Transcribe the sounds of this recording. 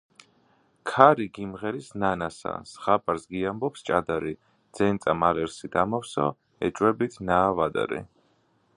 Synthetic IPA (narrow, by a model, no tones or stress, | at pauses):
kʰaɾiɡimʁɛɾisnanasa̰sχapʼaɾsɡiambɔpst͡ʃʼad̪aɾi | d̪z̥ɛnt̪sʼamalɛɾsid̪amɔfsɔ̰ | ɛ̰t͡ʃʼwɛbit̪ʰnaːvad̪a̰ɾḭ